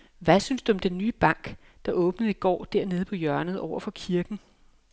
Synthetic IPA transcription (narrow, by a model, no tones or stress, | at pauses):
ʋæsynsd̥uɒ̽md̥enːyːb̥ɑ̈ŋ̰ɡ̥ | d̥ɑ̈ʔɔ̽ːb̥nəð̞̩ˠiɡ̥ɒ̰ːd̥æɐ̰ne̝ːð̞̩ˠpʰɒ̽jɶɐnəð̩ˠɒʊ̰ɐfɒ̽kʰiɐɡ̥n̩